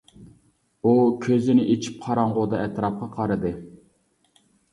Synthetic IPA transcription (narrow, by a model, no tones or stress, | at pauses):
ukʲʰøzɪnɪʔet͡ʃʰi̥p̚qʰɑɾɑɴʁod̪ɑɛt̪ɾɑp̚qɑqʰɑɾɨd̪ɨ